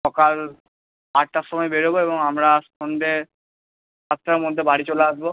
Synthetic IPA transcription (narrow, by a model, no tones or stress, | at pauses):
ɔkal | aʈ̚ʈaʃɔmɔebeɾeboebɔŋamɾa | ond̪ʱe | at̪ːɾaɾmod̪ʱːebaɽit͡ɕoleaʃbo